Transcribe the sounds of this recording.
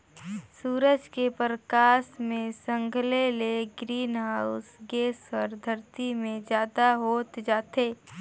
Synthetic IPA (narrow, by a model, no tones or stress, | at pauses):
suːɾəd͡ʒkepɾəkaːsmẽsə̃ŋɡʱleleɡɾiːnɦaːʊsɡeːsəɾd̪ʱəɾt̪imẽd͡ʒjaːd̪aɦoːt̪d͡ʒaːt̪eː